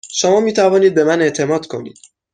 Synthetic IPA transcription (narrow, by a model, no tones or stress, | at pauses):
ʃomɒːmiːt̪ʰævɒːniːd̪̚be̞mæneʔt̪ʰe̞mɒːd̪̥kʰo̞nḭːd̪̥